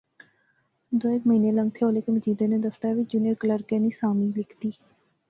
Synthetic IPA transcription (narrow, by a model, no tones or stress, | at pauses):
d̪oːekməɦĩːneːlə̃ŋɡ̚t̪ʰeːoːleːkeməd͡ʒiːd̪eːneːd̪əst̪aːʋid͡ʒuneːɾkələɾkẽːniːsaːmiːlɪkʰt̪iː